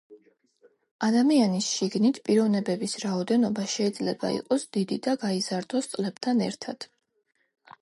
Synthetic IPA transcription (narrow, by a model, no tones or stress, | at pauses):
ad̪amianisʃiɡnit̪ʰpʼiɾɔvnɛbɛbisɾaɔd̪ɛnɔbaʃɛid̪zlɛba̰ḭqʼɔsd̪̥id̪id̪aɡaizaɾd̪ɔst̪sʼlɛb̥t̪ʰanɛ̰ɾt̪ʰa̰d̪̥